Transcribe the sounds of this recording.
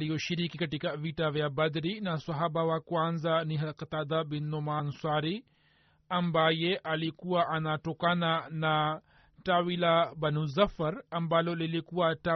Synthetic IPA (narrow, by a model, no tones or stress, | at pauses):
lijɔʃiɾikikatikavitavjabad̪ɾinaswaɦabawakwanzaniɦalkat̪ad̪abinːɔmanswaɾi | ambajeʔalikuwaʔanatɔkanana | tawilabanuzafaɾambalolilikuwata